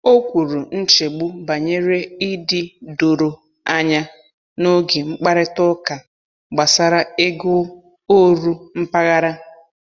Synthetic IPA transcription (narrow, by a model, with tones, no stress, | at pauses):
o˦kʷu˨ɾu˨n̩˦t͡ʃe˨ɡ͡bu˦ba˨ɲe˦ɾe˦i˦dɪ˨do˨ɾo˨ | a˦ɲa˦ | no˦ɡe˨ŋ͡m̩˦k͡pa˦ɾɪ˦tʊ˦ka˨ | ɡ͡ba˨sa˦ɾa˦e˦ɡʊ˦ | o˦ɾu˦m̩˦pa˦ɣa˦ɾa˦